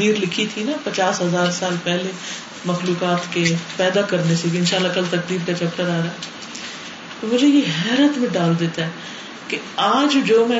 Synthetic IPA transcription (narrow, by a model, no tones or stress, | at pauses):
iːɾlɪkʰit̪ʰinapɐt͡ʃaːsɦɐzaːɾsaːlpɛɦle | mɐxluːkaːt̪kepɛːd̪akɐɾneseɡɪnʃaːlːakɐlt̪ɐk̚d̪iːɾkat͡ʃɛːp̚ʈəɾaːɾaːɦɛ | t̪omʊd͡ʒʱejeɦɛːɾət̪mẽɖaːld̪eːt̪aɦɛ | ke | aːd͡ʒd͡ʒoːmɛ̃